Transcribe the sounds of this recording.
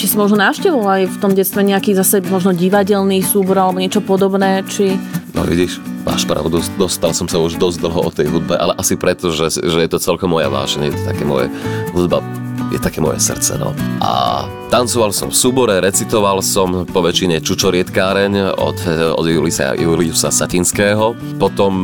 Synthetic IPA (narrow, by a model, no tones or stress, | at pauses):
t͡ʃisimɔʒnɔnaːfʃcɛʋɔlajft̪ɔmɟɛtt͡st̪ʋɛɲɛakiːzasɛmɔʒnɔɟiʋaɟɛlniːsuːbɔɾalɛbɔɲɛt͡ʃɔpɔd̪ɔbnɛːt͡ʃinɔ̰ʋḭɟiʃʋa̰ʃpɾa̰ʊd̪ud̪ɔst̪alsɔmsauʒd̪ɔzd̪l̩ˠɦɔʔɔt̪ɛjɦud̪̚bɛʔa̰lɛʔasipɾɛt̪ɔʒɛʒɛjɛt̪ɔt͡sɛlkɔmːɔja̰ʋa̰ːʒɛɲjɛt̪ɔ̥t̪akɛːmɔ̰jɛ̰ɦud̪ba̰ | jɛ̰t̪akɛːmɔ̰jɛ̰sr̩t͡sɛ̰nɔ̰ʔa̰ | t̪ant͡sɔʋalsɔ̰̃ɱfsuːbɔɾɛɾɛt͡sit̪ɔʋalsɔmpɔʋɛt͡ʃiɲɛt͡ʃut͡ʃɔɾɪɛt̪kaːɾɛɲɔ̰d̪ɔ̰d̪julisa̰julisasacinskɛːɦɔ | pɔt̪ɔm